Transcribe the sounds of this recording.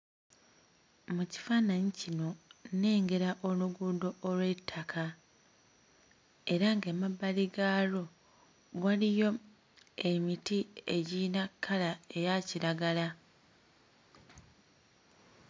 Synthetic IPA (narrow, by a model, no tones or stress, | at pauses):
muci̥fanaɲicino̞ne̞ːŋɡe̞ɾaʔo̞luɡuːdo̞ʔːlwe̞tʰːakʰa | e̞ɾaŋɡeːmabːaliɡalo̞ | βwalijo̞ | emitie̞ɟiːnakʰːalae̞jaciɾaɡala